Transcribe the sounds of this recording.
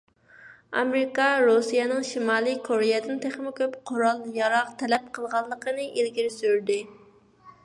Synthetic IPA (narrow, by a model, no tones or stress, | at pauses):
ɑ̰mɾɪkɑɾosijɛnɨŋʃimɑːlˠikʰoɾejɛd̪ɪnt̪ʰeχmɪkʲʰøpqʰoɾɑlˠjɑɾɑqt̪ʰɛlɛp̚qʰəlˠʁɑlˠːəqʰənɨʔelɡʲiɾɪsyɾd̪ɪ